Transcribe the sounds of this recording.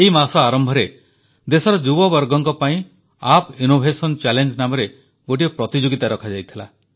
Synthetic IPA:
eimasɔaɾɔmbʱɔɾe | d̪esɔɾɔd͡ʒubɔbɔɾɡɔŋkɔpaĩ | apinobʱesɔnt͡ʃɛlend͡ʒnamɔɾe | ɡoʈ̬iɔpɾɔt̪id͡ʒoɡit̪aɾɔkʰad͡ʒajt̪ʰila̰

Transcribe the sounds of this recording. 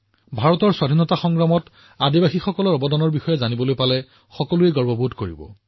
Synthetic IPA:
bʱaɹɔtɔɹswadʱinɔtaxɔŋɡɹamɔt | adibaxixɔkɔlɔɹɔbɔdɔnɔɹbixɔjɛzanibɔlojpalɛ | xɔkɔluɛɡɔɹbɔbʱudkoɹḭbɔ̰

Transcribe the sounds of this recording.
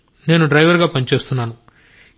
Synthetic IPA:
ne̞ːnuɖɾɐjʋɐɾɡaːpɐnit͡ʃe̞ːst̪unːaːnu

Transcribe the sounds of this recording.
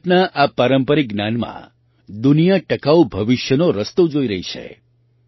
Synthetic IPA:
ʈnaʔapaɾəmpəɾiɡ̚ɡnanmã̰ | d̪unijaʈəkaubʱəʋiʃjənoɾəst̪ud͡ʒoiɾəɦit͡ʃʰḛ

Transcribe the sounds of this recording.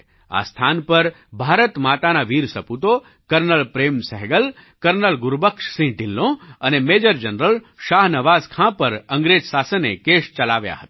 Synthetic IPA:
a̰st̪ʰanpəɾ | bʱaɾət̪mat̪anaʋiɾsəput̪o | kəɾnəlpɾemsɛɦɡəl | kəɾnəlɡʊɾbəkʂsĩʈɪ̃nlõənemed͡ʒəɾd͡ʒənɾəl | ʃaɦnəʋazkʰãpəɾəŋɡɾed͡ʒsasənḛkeʃt͡ʃəlaʋja̰ɦət̪a

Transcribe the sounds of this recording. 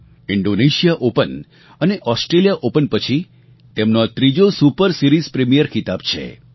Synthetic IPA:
iɳɖoneʃijaʔopən | əneʔɔsʈɾelijaʔopənpət͡ʃʰi | t̪emnoat̪ɾid͡ʒosupəɾsiɾizpɾemijəɾkit̪abt͡ʃʰḛ

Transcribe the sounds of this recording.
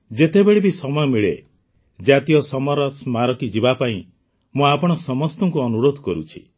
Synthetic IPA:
d͡ʒet̪ebeɭibisɔmɔjɔmiɭḛ | d͡ʒat̪ijɔsɔmɔɾɔsmaɾɔkid͡ʒibapaĩ | mũapɔɽ̃ɔsɔmɔst̪ɔŋkuɔnuɾod̪ʱɔkɔɾṵt͡ʃʰi̥̰

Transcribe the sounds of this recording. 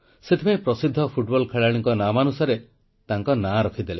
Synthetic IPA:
set̪ʰipaj̃pɾɔsid̪ʱːɔpʰuʈbɔlkʰeɭaɽ̃iŋkɔnamanusaɾe | t̪aŋkɔnaɾɔkʰid̪ele

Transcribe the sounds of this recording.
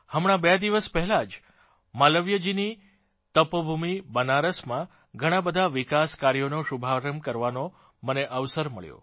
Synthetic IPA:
həmɽ̃ãbɛd̪iʋəspɛɦɛlad͡ʒ | maləʋjəd͡ʒini | t̪əpəbʱumibənaɾəsmã | ɡʱəɽ̃ãbəd̪ʱaʋikaskaɾijonoʃubʱaɾəmkəɾʋano | məneʔəʋsəɾməɭjo̰

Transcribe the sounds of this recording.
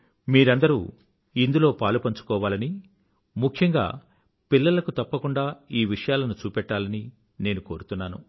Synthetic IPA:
miːɾɐnd̪ɐɾṵː | ind̪ulo̞ːpaːlupɐɲt͡ʃu̥kɔːʋaːlɐni | mukʰjɐŋɡa̰ː | pilːɐlɐkut̪ɐpːɐkuɳɖaːiːʋiʂɐjaːlɐnut͡ʃuːpɛʈːaːlɐni | ne̞ːnuko̞ːɾut̪unːaːnṵ

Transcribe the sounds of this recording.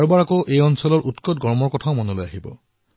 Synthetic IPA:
ɹbaɹakoʔejɔnsɔlɔɹʔutkɔt̚ɡɔɹmɔɹkɔtʰaʊmɔnolojaɦibɔ̰

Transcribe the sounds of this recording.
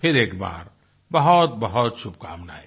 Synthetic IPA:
pʰɪɾeːkba̰ːɾ | bɐɦɔt̪̚bəɦɔt̪sʊb̚ka̰ːmnaɦe

